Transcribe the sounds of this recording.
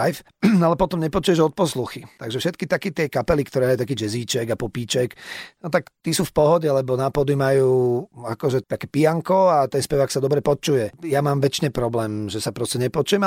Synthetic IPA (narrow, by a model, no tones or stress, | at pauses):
ajf | nalɛpɔt̪ɔmɲɛpɔt͡ʃujɛʒɔt̪̚pɔsluxit̪aɡʒɛfʃɛt̪̚kit̪akit̪ɪɛkapɛlikt̪ɔɾɛːajut̪akiːd͡ʒɛziːt͡ʃɛɡapɔpiːt͡ʃɛknɔt̪akt̪isuːfpɔɦɔɟɛlɛbɔnapɔd̪imajuːakɔʒɛt̪akɛːpijaŋkɔat̪ɛnspɛʋaːksad̪ɔbɾɛpɔt͡ʃujɛjamaːmʋɛt͡ʃɲɛpɾɔblɛːmʒɛsapɾɔscɛɲɛpɔt͡ʃujɛm